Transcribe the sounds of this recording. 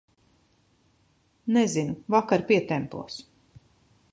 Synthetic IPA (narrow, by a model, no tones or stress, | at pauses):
nɛzinuvakaɾpiɛt̪ɛmpṵɔs